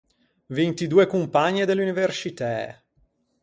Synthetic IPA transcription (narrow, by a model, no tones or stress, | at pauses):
vint̪id̪uːekumpaɲːed̪elːuniversit̪ɛ